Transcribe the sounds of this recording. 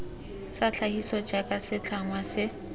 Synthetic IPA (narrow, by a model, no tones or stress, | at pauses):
sat͡ɬʰahisɔt͡ʃʼakʼasɪt͡ɬʰaŋwasɪ